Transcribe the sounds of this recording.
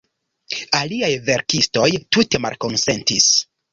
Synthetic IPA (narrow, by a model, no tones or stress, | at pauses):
aliajve̞ɾkisto̞jtute̞ma̰lko̞nse̞ntis